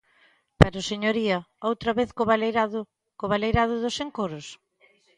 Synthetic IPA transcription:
paɾʊseɲoɾiɐowt̪ɾɐβeθkoβaleɾað | koβalejɾaðʊðʊseŋkoɾʊs

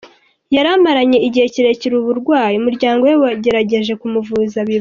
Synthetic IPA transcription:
jaɾamaɾaɲe̞iɟihe̞ciɾe̞ciɾuβuɾɡwaːjiumuɾɟaːŋɡo̞wewaɟe̞ɾaɟe̞ʒe̞kumuvuːzaβi

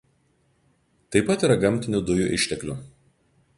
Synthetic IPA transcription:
t̪ɐɪpɐt̪iːˑɾɐɡɐmʲt̪ʲɪnʲud̪ʊjuʔɪ̰ʃʲt̪ʲɛklʲu

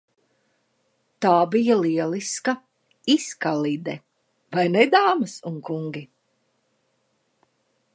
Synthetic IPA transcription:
t̪aːbijaliɛlˠiskɐ | iskalid̪ɛ | vajnɛd̪aːmɨsuŋkuŋɡʲi

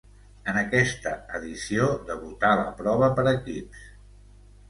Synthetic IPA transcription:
ənəkɛst̪əəðisiod̪əβut̪alə̰pɾɔβ̞əpəɾəkips

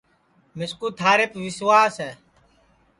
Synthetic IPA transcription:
mɪskuːt̪ʰaːɾepʋɪswaːsɛː

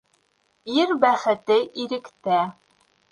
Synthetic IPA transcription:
iɾbæχɘ̆t̪ɘʔiɾɘ̆kt̪æ

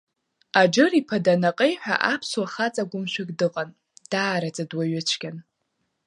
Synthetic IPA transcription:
ad͡ʒɨripʰadanaqʼejħʷᶣa̰ʔapʰswaχat͡sʼaɡʷʊmʃʷᶣɪkʼdɨqʼan | d̥aːɾat͡sʼadwaɥʊt͡ʃʰɡʲan

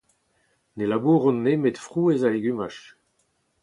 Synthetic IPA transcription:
nelabuːʁɔ̃nːemet̪fʁuːezaleɡymaʃ

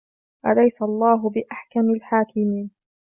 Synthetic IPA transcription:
ʔalajsalˤːɑːɦʊbɪʔaħkamalħaːkɪmiːn

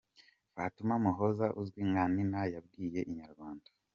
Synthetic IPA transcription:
vatumamuɦozaʔuzɡwiŋaninajab̚ɡiːje̞ʔiɲaɾɡwaːndḁ

